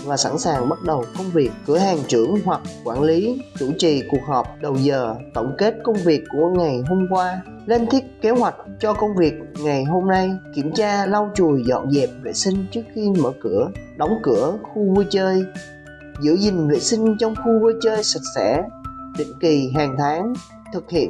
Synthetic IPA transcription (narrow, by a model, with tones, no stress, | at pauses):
vaː˨˩sa̰˧˥nsaː˨˩ŋɓə˦˥t̚ɗə˨˩wkə˧wŋ͡mvi˨˩ək̚kːɨ˧˩əhaː˨˩ŋt͡ɕɨ˧˩əŋɦwa˨˩k̚ːwaː˧˩nli˨˦t͡ɕu˧˩t͡ɕḭ˨˩ku˨˩ək̚hɦəː˨˩p̚ɗə˨˩wzəː˨˩t̪ə̰˧˩wŋ͡mke˦˥t̚kə˧wŋ͡mvi˨˩əkːu˧˩əŋa˨˩jɦo˧mkwaː˧ | le˧nt̪ʰi˦˥əp̚ke˨˦hwa˨˩jk̟̚t͡ɕɔ˧kə˧wŋ͡mvi˨˩ək̚ŋa˨˩jɦo˧mna˧jki˧˩əmt͡ɕaː˧la˧wt͡ɕu˨˩əjzɔ̰˧˨nzɛ̰˨˩p̚vḛ˧˨sï˧ŋ̟t͡ɕɨ˦˥ək̚xi˧mə̰ː˧˩kɨ˧˩əɗɔ˨˦wŋ͡mkɨ˧˩əxu˧vu˧t͡ɕəː˧j | zɨ̰˧˥əzï˨˩ŋ̟vḛ˧˨sï˧ŋ̟t͡ɕɔ˧wŋ͡mxu˧vu˧t͡ɕəː˧jsa˨˩k̚sɛ̰˧˩˥ɗḭ̈˧˨ŋ̟ki˨˩ɦaː˨˩ŋt̪ʰaː˨˦ŋ | t̪ʰɨ˨˩k̚hḭ˧˨ən